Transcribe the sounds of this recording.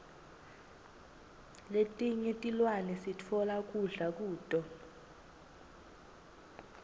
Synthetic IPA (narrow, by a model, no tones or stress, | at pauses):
letʼiɲɛtʼilwanɛsitʰɔlak̬ʼuɮak̬ʼuːtʼɔ